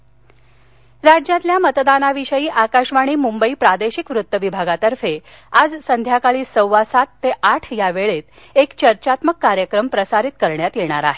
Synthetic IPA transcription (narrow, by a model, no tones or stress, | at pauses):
ɾad͡ʑjãt̪ljamət̪d̪anaʋiɕəjiːʔakaɕʋaɽ̃iːmumbəiːpɾad̪eɕikʋɾut̪ːəʋibʱaɡat̪əɾfe | ad͡zsənd̪ʱjakaɭiːsəwʋasat̪ːeʔaʈʰjaʋeɭet̪ | ekt͡ɕəɾt͡ɕat̪məkːaɾjəkɾəmpɾəsaɾit̪kəɾɳjat̪jeɽ̃aɾaɦe